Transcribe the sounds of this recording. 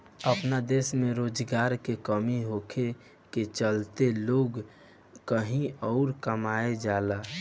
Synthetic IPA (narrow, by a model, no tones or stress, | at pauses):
əpnad̪eːsmẽɾoːd͡ʒɡaːɾkekəmiɦoːkʰe | ket͡ʃəlt̪eloːɡ | kəɦĩɔːɾkəmaːed͡ʒala